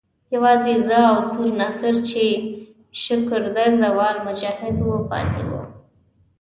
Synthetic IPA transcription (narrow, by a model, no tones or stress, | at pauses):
jawɑzezəawsuɾnasəɾt͡ʃe | ʃəkəɾd̪əɾd̪əwɑlmʊd͡ʒɑhɪd̪wəpɑ̰t̪ḛwṵ